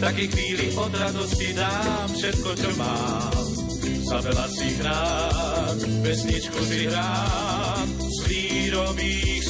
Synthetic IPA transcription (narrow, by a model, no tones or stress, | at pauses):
t̪akɛxʋiːliʔɔd̪ɾad̪ɔscid̪aːmfʃɛt̪̚kɔt͡ʃɔma | m | zavɛlasiɦɾaː | t̪pɛsɲit͡ʃkusiɦɾaː | m | ʋiːɾɔʋiː